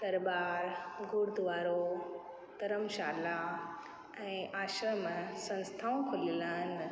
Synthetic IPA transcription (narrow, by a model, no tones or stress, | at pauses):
d̪ɐɾbaːɾɡʊɾd̪ʋaːɾo | t̪ɐɾəmʃaːla | ɛ̃ːʔaːʃɾəmsɐ̃nst̪ʰaːõkʰʊlilaːɦɪn